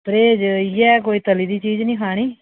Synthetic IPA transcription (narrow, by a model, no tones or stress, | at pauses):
pɾeːd͡ʒjɛːk̬oːiːt̪əliːd̪iːt͡ʃiːd͡ʒnĩːkʰaːɽ̃iː